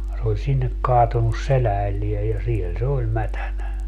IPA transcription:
se olʲ sinːek kɑːtunˑus selæːlːie jɑ siel se olʲ mætænæ

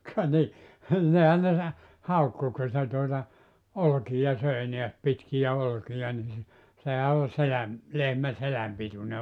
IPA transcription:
kɑ ni nihæn ne sɑ hɑukːu ku se tuotɑ olkijɑ søi neæs pitkijæ olkijɑ ni se sehæ o selæm lehmæ selæm pitune

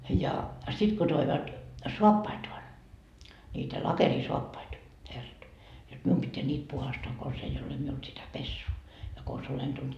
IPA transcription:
jɑ sit ko toiʋɑt soɑpːɑitoɑn niːtæ lɑkerisoɑpːɑitɑ herːɑt jot mium pitːeæ nʲiːt puhɑstɑː kons ei ole miul sitæ pesːuː jɑ kons olen tult

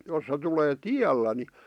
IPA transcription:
jos se tuleː tiælːæ ni

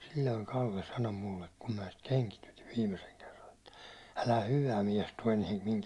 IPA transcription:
silʲːoiŋ kɑlːe sɑno mulːek kum mæˑ sit keŋkitytiʋ ʋiːmeseŋ kerːɑn etːæ ælæ hyʋæ miɛs tuɒ eniɛm miŋ

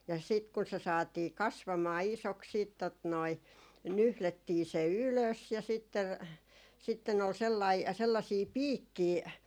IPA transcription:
jɑ sit kun se sɑːtiː kɑsʋɑmɑː isoks siːt tot noi nyhletːiː se yløs jɑ sitːe sitːen ol selːɑi selːɑsiː piːkːiː

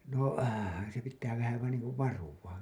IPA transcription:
noˑ se pitːæː ʋæhæ ʋɑin niːŋ kuʋ ʋɑruwɑ

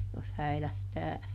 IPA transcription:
jos hæilæhtæː

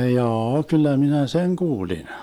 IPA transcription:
hjɑːɑ kylːæ minæ seŋ kuːlin

